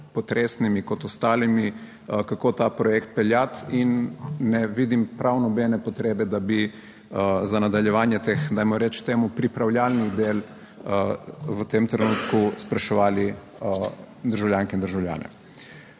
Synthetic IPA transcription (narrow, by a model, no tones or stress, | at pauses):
pɔt̪ɾʔeːsnimikɔt̪ɔst̪aːlimi | kakoːt̪aːpɾɔjɛkt̪̚pɛljat̪inːɛʋiːd̪impɾʔawnɔbɛnɛpɔt̪ɾeːbɛd̪abi | zanad̪aljɛʋaːnjɛt̪exd̪ajmɔɾɛt͡ʃt̪eːmupɾipɾawljaːlnid̪eːl | ʋət̪eːmt̪ɾɛnuːt̪kuspɾaʃɛʋaːli | d̪əɾʒawljaŋkɛind̪əɾʒawlʲja̰ːnɛ̰